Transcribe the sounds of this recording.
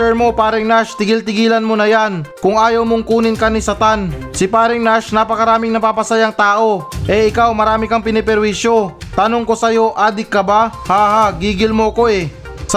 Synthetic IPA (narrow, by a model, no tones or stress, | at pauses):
ɛɹmo̞paːɾɪŋnaʃt̪ɪɡɪlt̪ɪɡiːlɐnmonɐjankʊŋaːjɐwmoŋkuːnɪnkɐnisɐt̪an | sɪpaːɾɪŋnaʃnapɐkɐɾaːmɪŋnɐpaːpɐsajɐŋt̪aːʔo̞ʔɛʔɪkawmɐɾaːmɪkɐŋpɪnɪpɛɾwisjo̞t̪ɐnoŋko̞sɐjo̞ʔaːd̪ɪkːɐbahaːhaɡiːɡɪlmoɐko̞ɛ